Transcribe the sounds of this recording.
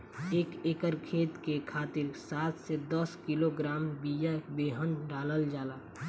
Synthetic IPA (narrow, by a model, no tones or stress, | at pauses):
eːkeːkəɾkʰeːt̪kekʰaːt̪ɪɾsaːt̪ʰsed̪əskiloɡɾaːmbijabeːɦənɾaːləld͡ʒaːlaː